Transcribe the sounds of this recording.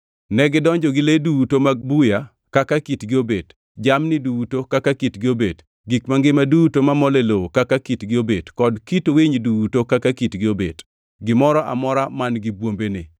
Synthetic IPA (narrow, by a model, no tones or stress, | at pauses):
nɛɡɪdɔɲd͡ʒɔɡɪledutomaɡ̚buja | kakakitɡɪobed | d͡ʒamnɪdutokakakitɡɪobed | ɡikmaŋɡɪmadutomamɔlelowokakakitɡɪobedkɔdkitwiɲdutokakakitɡɪobḛd | ɡɪmɔɾɔʔa̰mɔɾamanɡɪbwombenɪ̰